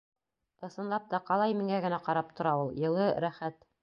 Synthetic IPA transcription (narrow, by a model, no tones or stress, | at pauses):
ɤ̆sɤ̆nlˠɑp̚t̪ɑqɑlˠɑjmiŋæɡɘ̆næqɑɾɑp̚t̪ʰŏɾɑulˠjɤ̆lˠɤɾæχæt̪